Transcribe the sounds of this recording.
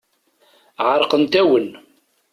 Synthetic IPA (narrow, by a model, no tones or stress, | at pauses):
ʕəɾˤqənt̪æwən